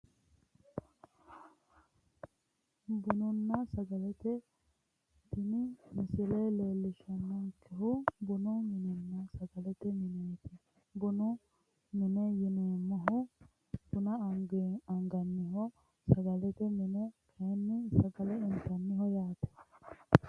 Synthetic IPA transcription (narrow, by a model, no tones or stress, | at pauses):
bʊnʊnːɐsɐɡɐlɛt̪ɛ | t̪ɪnɪmɪsɪleleːlːɪʃɐnːɐkʰɛɦʊbʊnʊmɪnɛnːɐsɐɡɐlɛt̪ɛmɪneːt̪ɪ | bʊnʊ | mɪnɛjɪneːmːɐɦʊ | b̥ʊnɐɐŋɡeɐŋɡɐnːɪɦɔ | sɐɡɐlɛt̪ɛmɪnɛkʰɐɛnːɪsɐɡɐlɛɪnt̪ɐnːɪhɔjaːt̪ɛ̥